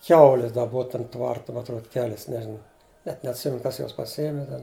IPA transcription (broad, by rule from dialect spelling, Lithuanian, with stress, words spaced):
ˈkʲɛʊlʲɪs dɐ ˈboːʋɐ ˈtɐm ˈtʋɐrt mɐ ɐtˈruɔt ˈkʲæːlʲɪs ˈnʲæːʒʲɪnɐ nʲɛt nʲɛɐtʲˈsʲɪmʲɛnʊ ˈkɐs ˈjuɔs pɐˈsʲɪjiɛmʲɪ ˈtʲɛn